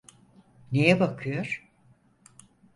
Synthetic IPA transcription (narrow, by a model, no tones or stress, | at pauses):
nejɛbakʰɯjoɾ̥